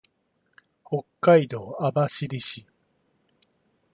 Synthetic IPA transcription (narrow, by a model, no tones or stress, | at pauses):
ho̞kːaid̪o̞ːabaɕiɾʲiɕi